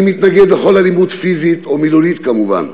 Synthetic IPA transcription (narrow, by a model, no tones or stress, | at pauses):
mit̪naɡed̪χolalimut̪fizit̪omiluɾit̪kamuva̰n